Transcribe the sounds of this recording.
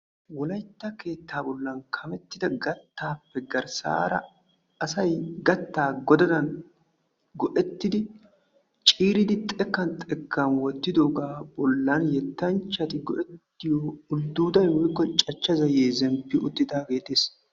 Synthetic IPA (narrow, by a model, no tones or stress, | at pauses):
wɔlɐjt̪ːɐke̞ːt̪ːaːbɔlːɐnkʰɐmɛt̪ːɪd̪ɐɡɐt̪ːaːpːɛɡɐɾsa̰ːɾɐ̰ | ɐsɐjɡɐt̪ːaːɡɔd̪ɐd̪ɐn | ɡɔʔɛt̪ːɪd̪ɪ | t͡ʃʼiːɾɪd̪ɪt̪ʼɛkːɐnt̪ʼɛkʰːanwɔt̪ːɪd̪oːɡaːbɔlːɐnjɛt̪ːɐnt͡ʃːɐt̪ɪɡɔ̰ʔɛt̪ːɪjoːʊld̪uːd̪ɐjwɔjkːɔt͡ʃʼɐt͡ʃːɐzɐje̞ːzɛmpːɪʔʊt̪ːɪd̪aːɡe̞ːt̪eːs